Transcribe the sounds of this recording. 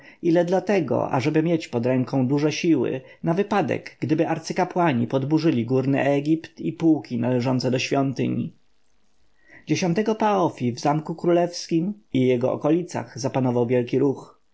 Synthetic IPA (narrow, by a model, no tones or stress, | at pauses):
ilɛd̪lat̪ɛɡɔ̰ʔa̰ʐɛbɘmʲjet͡ɕpɔd̪ɾɛŋkɔ̃w̃d̪uʐɛɕiwɘ̰ | navɘpad̪ɛ̰ɡɡd̪ɘbɘʔaɾt̪sɘkapwaɲipɔd̪buʐɘlʲiɡuɾnɘ̰ʔɛɡʲipt̪ipuwkʲinalɛʐɔnt̪sɛd̪ɔɕfʲjɔnt̪ɘ̰ɲi | d͡ʑeɕɔ̃nt̪ɛɡɔpaɔfʲivzamkukɾulɛfskʲimijɛɡɔʔɔ̰kɔlʲit̪sa̰ɣzapanɔvawvʲjɛlkʲiɾux